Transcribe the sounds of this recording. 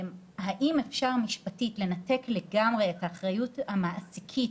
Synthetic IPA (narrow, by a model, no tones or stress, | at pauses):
haʔimefʃaʁmiʃpatitle̞nate̞kleɡamʁeːtaːχʁajuthamaʔsikʰit